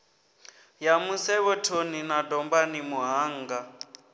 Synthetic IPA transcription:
jamusɛβɔtʰoninadɔmbanimuɦaːŋɡa

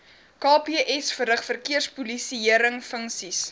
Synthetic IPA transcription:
kɑːpiʔɛsfəɾəχfərkiərspulisiiəɾəŋfəŋksis

